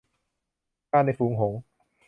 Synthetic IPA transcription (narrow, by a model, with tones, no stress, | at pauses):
aː˥˩nːa˧˩jfuː˩˦ŋɦo˩˦ŋ